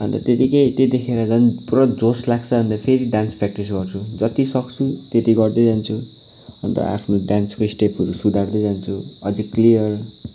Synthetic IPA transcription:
ʌ̰nt̪ʌt̪et̪ikejt̪jed̪ekʰeɾʌd͡zʌnprʌd͡zoslak̚t͡sʰʌbʱʌnd̪apʰeɾiɖanspʰɾak̚ʈis̬ɡʌrt͡sʰud͡zʌt̪isʌkt͡sʰut̪et̪iɡʌrd̪ʌjd͡zant͡sʰu | ʌnt̪ʌ̰a̰pʰnoɖanskoisʈepʰʌɾusud̪ʱard̪ʌjd͡zant͡sʰuʌd͡ziklijʌr

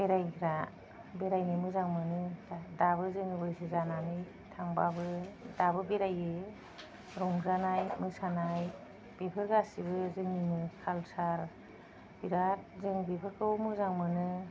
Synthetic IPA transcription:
beɾajɡʰɾa | beɾajnɯmɯzaŋmɯnɯadabɯzɯŋɯbɯjsizananɯj | tʰaŋbabɯdabɯbeɾajɯ | ɾɔŋzanajmɯsanaj | b̥ebʰɯɾɡasibɯzɯŋninɯkʰalsaɾ | biɾat̚zɯŋbebʰɯɾkʰɯmɯzaŋmɯnɯ

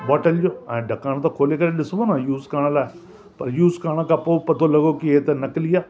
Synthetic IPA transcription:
bɔːʈəld͡ʒoːɛ̃ːɖəkaːñt̪ãːkʰoːleːkəɾeːɗɪsʋoːnãːjuːzkaːɽ̃ãlaːe | pəɾjuːskaːɽaːkapoːpət̪ʰoːləɡoːkɪeːt̪enəklɪjaː

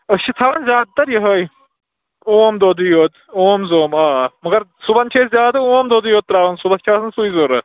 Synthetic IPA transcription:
əʃʰit̪ʰɐʋɐnzʲaːd̪̚t̪ɐɾjɐɦəj | oːmd̪od̪ɨjoːt̪ | oːmzoːmaːmɐɡɐɾsubɐnt͡ʃʰeːszjaːd̪ɐoːmd̪od̪ɨjoːt̪̚ːɾaʋɐnsubɐtt͡ʃʰaːsɨnsujzoːɾɐ

